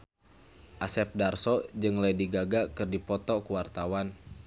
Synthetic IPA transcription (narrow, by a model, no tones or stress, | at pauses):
ʔasɛp̚darsɔd͡ʒɨŋlajdiɡaɡakɨrdipɔt̪ɔkuwart̪awan